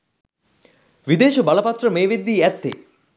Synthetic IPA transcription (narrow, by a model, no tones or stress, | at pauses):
ʋid̪eːʃubaləpat̪rəmeːʋed̪ːiːæt̪ːḛ